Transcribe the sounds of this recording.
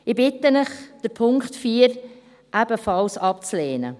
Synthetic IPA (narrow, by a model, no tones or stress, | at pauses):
ɪbɪtənəχd̥əɾpʰʊŋkχtfiːəɾ | ʔæb̥əfɑlsɑp̚t͡sleːnə̰